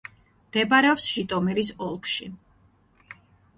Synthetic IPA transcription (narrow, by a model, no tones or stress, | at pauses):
md̪̥ɛbaɾɛɔpsʃit̪ʼɔmɛɾisɔlˠkʰʃi